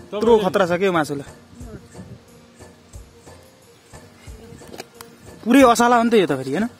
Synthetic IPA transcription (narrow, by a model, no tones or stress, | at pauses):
t̪rokʰʌt̪rasʌkeomasula | puɾeʌsalaɦʌnt̪ʰʌjot̪ʌpʰeɾiɦʌjnʌ